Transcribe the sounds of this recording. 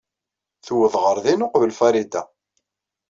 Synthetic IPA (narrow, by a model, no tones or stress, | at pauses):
θuwəðʁəɾðinʊqvəlfæɾid̪a̰